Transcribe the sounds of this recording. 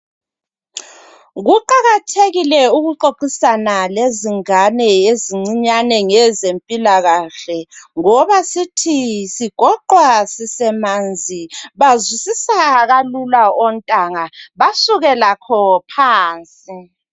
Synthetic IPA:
ɣuǃaɣatʰeɣilɛuɣuǃoǃisanaleziŋanɛeziŋ͡ǀiɲanɛŋɛzempʼilaɣaɬɛŋɔβasitʰisiɡ̥ʱɔǃwasisɛmaːnd͡zʱiβazwisisaɣalulaɔntʼaŋaβasuɣɛlakʰɔpʰaːnt͡sʼi

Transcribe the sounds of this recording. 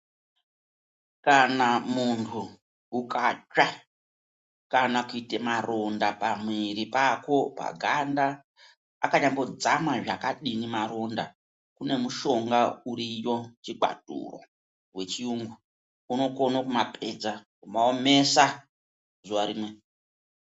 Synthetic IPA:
kanamuntʰuː | kad͡ʒa | kanakuitemaro̞ndapamwiɾipako̞pa̰ɡʱanda | a̰kaɲambo̞d͡zamaʐakaɗinimaɾo̞nda | kune̞muʃo̞ŋɡauɾijo̞t͡ʃiɡa̰dṵro̞̰ | we̞t͡ʃiuːŋɡu | uno̞ko̞nokumapʰe̞d͡zakumaome̞sa | zuwaɾiːmwe

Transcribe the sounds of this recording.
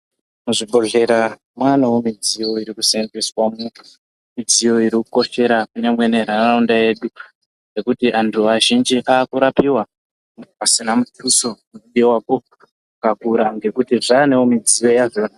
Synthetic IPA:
muʐibʱo̞ɮe̞ɾa | mwanawomid͡zijo̞iɾikusendiswamu | mid͡zijo̞iɾikuko̞ʃe̞ɾakune̞mwe̞ne̞ɾararondaje̞ɗu | e̞kutiʔantʰuʋaʒind͡ʒiʔaːkuɾapiwa | asinamutuso̞muɗiewako̞ | ukakuɾaŋɡe̞kutiʐaːnewomid͡zijo̞jaʐo̞ːna

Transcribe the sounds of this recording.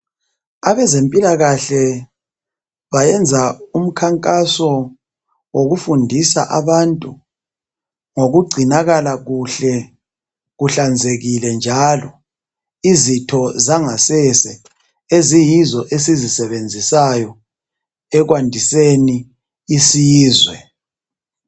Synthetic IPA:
aβɛzempʼilaɣaɬɛ | βajɛnd͡zʱaum̩kʰaŋkʼasɔ | woɣufundʱisa̰ʔaβantʼu | ŋoɣuɡ͡ǀʱinaɣalaɣuɬɛ | ɣuɬand͡zʱeɣilɛnd͡ʒʱalɔ | izitʰɔzaŋasɛsɛ | ezijizɔʔesizisɛβend͡zʱisajɔ | ɛɣwandʱiseniː | siːzwɛ

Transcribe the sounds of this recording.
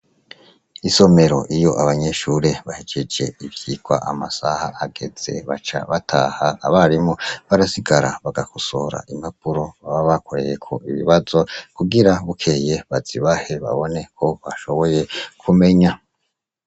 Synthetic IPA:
iso̞me̞ɾo̞̰ʔijo̞ʔaβaɲe̞ʃuːɾe̞βahed͡ʒe̞d͡ʒe̞ivjiɡwa̰ʔamasahaʔːɡe̞z̥e̞̰βa̰t͡ʃa̰βatʰaːhaːβaɾimŋo̞βaɾasiɡaɾa̰βaɡakusoɾa̰ʔimap̚uɾo̞βaβaβakʰo̞ɾe̞̰jekʰo̞̰iβḭβazokuɡiɾaβukʰe̞je̞βaz̥iβahe̞βa̰βo̞ne̞kʰo̞βaʃo̞βo̞je̞kʰume̞ɲa

